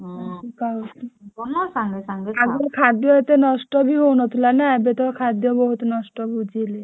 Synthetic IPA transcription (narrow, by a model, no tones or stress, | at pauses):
ikautikɔnɔsaŋɡesaŋɡeaɡɔɾkʰad̪jɔet̪enɔsʈɔbʱiɦownɔt̪ʰilanaebet̪ɔkʰad̪jɔbɔɦut̪nɔsʈɔbud͡ʒʱile